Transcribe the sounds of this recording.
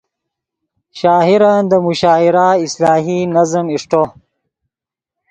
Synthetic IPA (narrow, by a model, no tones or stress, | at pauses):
ʃaːɦiɾand̪əmuɕaːiɾaislaːɦinazəmiʂʈo